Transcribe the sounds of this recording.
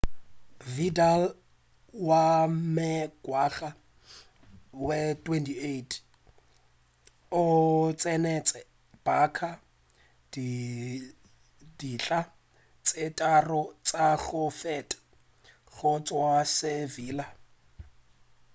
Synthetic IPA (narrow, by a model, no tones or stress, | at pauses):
vidal | wamɪɡ̥waɣa | wɛtʼwɛntʰʼietʰ | ʊt͡sʼɛnɛt͡sʼɛ | b̥akʰa | d | diɬʼa | t͡sʼɪtʼarɔt͡sʼaɣʊfɛtʼḁ | ɣʊt͡sʼwasɪviːla